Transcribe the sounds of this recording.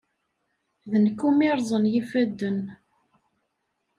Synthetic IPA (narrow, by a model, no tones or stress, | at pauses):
ðənkːumiɾˤzˤənjifæd̪ːən